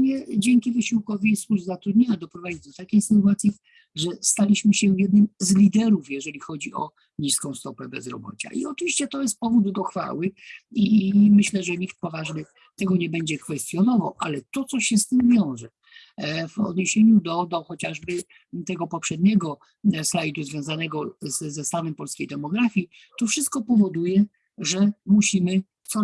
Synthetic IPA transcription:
ɲɛd͡ʑɛŋkʲivɘɕiwkɔviswuʐzat̪ɾud̪ɲeɲad̪ɔpɾɔvad͡ʑid̪ɔt̪akʲejsɘt̪uat̪sʲji | ʐɛst̪alʲiɕmɘɕɛvjɛd̪̚nɘmzlʲid̪ɛɾufjɛʐɛlʲixɔd͡ʑiɔ̰ | ɲiskɔ̃w̃st̪ɔpɛbɛ̰zɾɔ̰bɔ̰t͡ɕa̰ʔḭɔt͡ʂɨviɕt͡ɕɛt̪ɔjɛst̪̚pɔvud̪d̪ɔxfa̰wɘimɘɕlɛʐɛɲik̚t̪̚pɔvaʐnɘ | t̪ɛɡɔɲɛbɛɲd͡ʑɛkfɛst̪ʲjɔnɔvawalɛt̪ɔt̪sɔɕɛst̪ɘmvʲjɔ̃w̃ʐɛ | vɔ̰d̪ɲeɕeɲud̪ɔd̪ɔxɔt͡ɕaʐbɘ | t̪ɛɡɔpɔpʂɛd̪̚ɲɛɡɔ | slajt̪uzvʲjɔ̃w̃zanɛɡɔzːɛst̪avɛmpɔlskʲejd̪ɛmɔɡɾafʲji | t̪ɔfʂɘst̪̚kɔpɔvɔd̪ujɛ | ʐɛmuɕimɘ | t̪sɔ

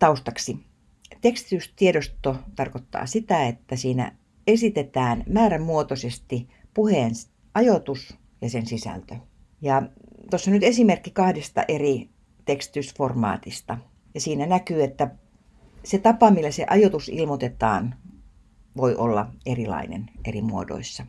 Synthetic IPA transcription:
t̪ɑust̪ɑksi | t̪ekst̪i̥t̪yst̪ieɾost̪ot̪ɑrkot̪ːɑ̰ːsit̪æet̪ːæsiːnæ̰ | esit̪et̪æːnmæːræmmuot̪osest̪ipuheːns | ʔɑjot̪us | jɑsensisæ̰lt̪ø | jɑt̪osːonnyt̪esimerkːikɑhdest̪ɑ̰ʔeri | t̪ekst̪i̥t̪ysformɑ̰ːt̪ist̪ɑ | jɑsiːnænækyːet̪ːæ | set̪ɑpɑmilːæseʔɑjot̪usḭlmot̪et̪ɑ̰ːn | ʋoiʔolːɑ̰erilɑ̰inḛnʔerimuo̰do̰isːɑ

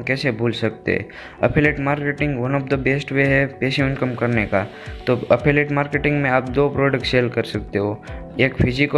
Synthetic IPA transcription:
kɛːsebʱuːlsɐk̚t̪ḛɛ̰ | ɐ̰pʰeːleːʈmaːɾkeːʈɪ̃ŋɡʋɐnɔːfd̪əbeːsʈweːɦɛpeːʃẽɪ̃nkəmkɐɾneka | t̪oɐpʰeleːʈmaːɾkeʈɪ̃ŋɡmẽaːp̚d̪oːpɾoːɖək̚ʈseːlkɐɾsɐk̚t̪eɦoeːkfʰɪzɪk

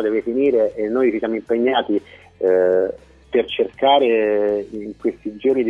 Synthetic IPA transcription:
d̪ɛːvefiniːɾeʔːnːoːjt͡ʃisjaːmoimpeɲːaːt̪i | pert͡ʃerkaːɾeiŋkwest̪id͡ʒornid̪

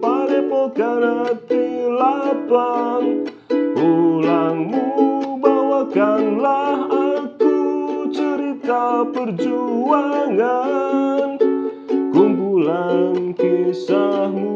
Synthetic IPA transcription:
palepoɡanat̪ilapaŋ | ulaŋmubawaɡanlaɦakut͡ʃəɾit̪apərd͡ʒuaŋa | n | ɡ̥umbulankisahmu

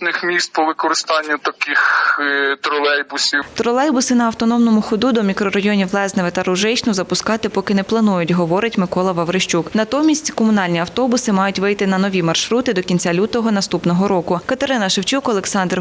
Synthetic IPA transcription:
nɪxmʲist̪̚pɔʋɪkɔɾɪst̪ɑnʲːʊt̪ɐkɪx | t̪ɾɔlˠɛjbʊsʲit̪ɾɔlˠɛjbʊsɪnɐɐwt̪ɔnɔmnɔmʊxɔd̪ud̪ɔmʲikɾɔɾɐjɔnʲiwlˠɛznɪʋɪt̪ɐɾʊʒɪt͡ʃnʊzɐpʊskɑt̪ɪpɔkɪnɛplˠɐnujʊtʲɦɔʋɔɾɪtʲmɪkɔlˠɐʋɐʋɾɪʃt͡ʃuknɐt̪ɔmʲisʲtʲkɔmʊnɑlʲnʲiɐwt̪ɔbʊsɪmɑjʊtʲʋɪjt̪ɪnɐnɔʋʲimɐrʃɾut̪ɪd̪ɔkʲinʲt͡sʲalʲut̪ɔɦɔnɐst̪upnɔɦɔɾɔkʊkɐt̪eɾɪnɐʃɪwt͡ʃukɔlˠeksɑnd̪r

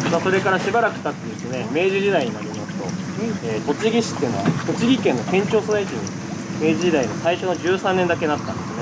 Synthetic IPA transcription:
maso̞ɾe̞kaɾaɕibaɾakɯ̟̥t̪at̪ːed̪esɨneme̞ːd͡ʑiʑid̪aiɲ̟inaɾinokt̪o̞̰eːt̪o̞t͡ɕiɡʲiɕi̥t̪ːeɯ̟no̞βa̰t̪o̞t͡ɕiɡʲikẽ̞nːo̞kẽ̞ɲ̟t͡ɕo̞ːsozait͡ɕiɲ̟i | me̞ːd͡ʑiʑid̪aimosaiɕo̞no̞d͡ʑɨːsãnːẽ̞nd̪ake̞nat̪ːã̰nd̪esɨɨne

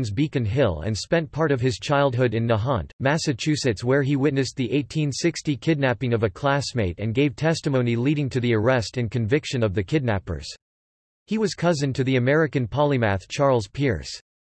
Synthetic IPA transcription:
nzbikɨ̃nɦɪlˠɨ̰̃nspɛ̃npʰɑɹɾʌv̥ɨz̥t͡ʃʰaɪlˠd̚ɦʊɾɨ̃nːəɦɑ̰̃nmæsɨt͡ʃʰʉsɨtswə˞iwɪtⁿnɨsðiʔeɪtʰĩnsɪkstikʰɪdⁿnæpɪ̃ŋʌvɨkʰl̥æsmeɪɾɨ̰̃nɡeɪv̥tʰɛstɨmõʊ̃niliɾɪ̃ŋtʰɨðiə˞ɛstɨ̃nkɨ̃ɱvɪkʃɨ̃nʌvðɨkʰɪdⁿnæ̰pə̰˞z̥ | hiwʌz̥kʰʌzɨ̃ntʰɨðiɨmɛɹɨkɨ̃npʰɑlˠimæθt͡ʃʰɑɹlˠz̥pʰɪɹs

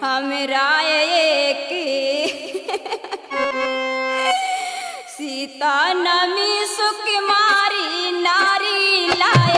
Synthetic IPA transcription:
ɦɐmeɾajejeki | sit̪anɐmisukimaːɾinaɾila

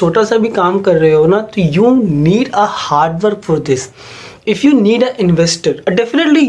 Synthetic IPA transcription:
oːʈasabʱikaːmkɐɾːɐɦeɦoːnat̪ojuːniːɖəhaːɾɖʋəɾkfɔɾd̪ɪs | ɪfjuːniːɖəʔɪ̃nʋɛsʈəɾɖɛfɪnəʈli

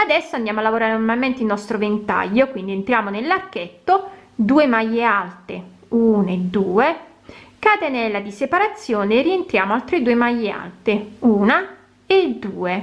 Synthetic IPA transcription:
ad̪ɛsːoand̪jaːmoalːavoɾaːɾenormalment̪eilnɔst̪ɾovent̪a̰ʎːokwind̪ient̪ɾjaːmonelːarkːet̪ːod̪uːemajːealt̪e | uːnad̪uːe | kat̪enɛlːad̪isepaɾat̪sːjoɔːnerient̪ɾjaːmoalt̪ɾed̪uːemajːea̰lt̪euːna | ed̪ːuːe

